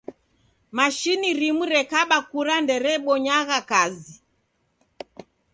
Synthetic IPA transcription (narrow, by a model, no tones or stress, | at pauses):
maʃiniɾimuɾɛkaɓakuɾandɛɾɛɓɔɲaɣakazi